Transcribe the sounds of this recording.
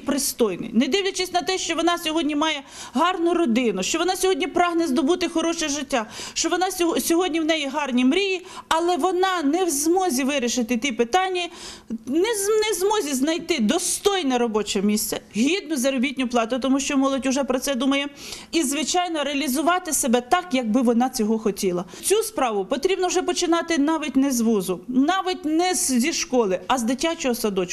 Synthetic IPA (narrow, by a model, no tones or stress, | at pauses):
pɾɪst̪ɔjnɪ̰jnɛd̪ɪwlʲɐt͡ʃɪsʲnɐt̪ɛʃt͡ʃɔʋɔnɑsʲɔɦɔdʲnʲimɑjɛ | ɦɑrnʊɾɔd̪ɪnʊʃt͡ʃɔʋɔnɑsʲɔɦɔdʲnʲipɾɑɦnɛzd̪ɔbut̪ɪxɔɾɔʃɛʒɪtʲːaʃt͡ʃɔʋɔnɑsʲsʲɔɦɔdʲnʲiwnɛjiɦɑrnʲimɾʲiji | ɐlˠɛʋɔnɑnɛwzmɔzʲiʋɪɾʲɪʃɪt̪ɪt̪ʲipɪt̪ɑnʲːɐ | nɛnɛzmɔzʲiznɐjt̪ɪd̪ɔst̪ɔjnɛɾɔbɔt͡ʃɛmʲisʲt̪sʲɛɦʲid̪̚nʊzɐɾɔbʲitʲnʲʊplˠɑt̪ʊt̪ɔmuʃt͡ʃɔmɔlˠɔtʲʊʒɛpɾɔt̪sɛd̪umɐjɛizʋɪt͡ʃɑjnɔɾeɐlʲizʊʋɑt̪ɪsebɛt̪ɑkjɐɡ̚bɪʋɔnɑt͡sʲɔɦɔxɔtʲilˠɐ | t͡sʲuspɾɑʋʊpɔt̪ɾʲibnɔwʒɛpɔt͡ʃɪnɑt̪ɪnɑʋʲitʲnɛzʋuzʊnɑʋʲɪtʲnɛzzʲiʃkɔlˠɪɐzd̪ɪtʲːat͡ʃɔɦɔsɐd̪ɔt͡ʃ